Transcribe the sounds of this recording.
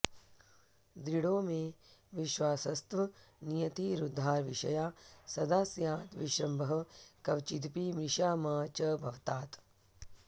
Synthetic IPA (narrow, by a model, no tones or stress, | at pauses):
d̪ɾiɽoːmẽʋɪʃwaːsɐst̪ʋɐnijɐt̪iɾud̪ʱːaːɾʋiʃɐjaːsɐd̪aːsjaːt̪ʋɪʃɾɐmbɐɦɐkɐʋt͡ʃid̪pimɾɪʃaːmaːt͡ʃɐbʱɐʋt̪aːt̪